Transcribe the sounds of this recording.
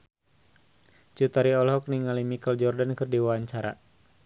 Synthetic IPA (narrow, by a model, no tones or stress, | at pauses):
t͡ʃut̪aɾiɔlɦɔk̚niŋalimikəld͡ʒɔrdankərdiwaaɲt͡ʃaɾa̰